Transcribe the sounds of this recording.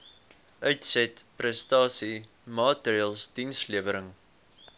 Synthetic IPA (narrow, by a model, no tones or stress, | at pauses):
ʔœɥtsɛtprɛstɑːsi | mɑːtɾiəlˠsd̥insliəvəɾəŋ